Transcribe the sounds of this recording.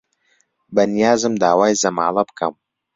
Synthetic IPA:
bɐnijaːzɨmd̪aːwaːjzɐma̰ːlɐpkʰa̰m

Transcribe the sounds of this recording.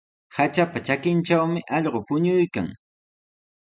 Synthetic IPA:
hat͡ʃapat͡ʃakɪnt͡ʃawmɪʔɑʎɢopʊɲʊjka̰ŋ

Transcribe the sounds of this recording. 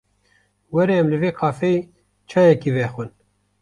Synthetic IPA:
wɛɾɛɛmlɨveːqʰɑːfei | t͡ʃʰɑːjɛkivɛxʷwɨn

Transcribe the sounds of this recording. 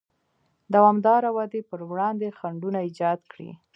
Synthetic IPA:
d̪awɑmd̪ɑɾawad̪epəɾwɽɑnd̪exaɳɖunaid͡ʒɑd̪kɽḭ

